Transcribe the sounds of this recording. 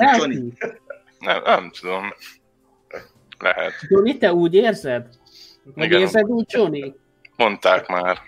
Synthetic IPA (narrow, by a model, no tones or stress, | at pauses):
ɛi | nɛ̰mnɛmt̪ʰud̪o̞m | lɛ̰ɦɛ̰t̪d͡ʒonit̪ɛuːɟeːrzɛd̪ | hoɟeːrzɛd̪uːɟ̚t͡ʃoni | mo̞nt̪aːkmaːr